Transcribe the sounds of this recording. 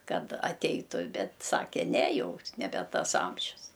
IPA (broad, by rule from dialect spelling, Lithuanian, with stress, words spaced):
ˈkɐt ɐˈtʲɛɪtʊ ˈbʲɛt ˈsɑːkʲɛ ˈnʲɛ ˈjɛʊ nʲɛˈbʲɛ ˈtɐs ˈɐmʲʒʲʊs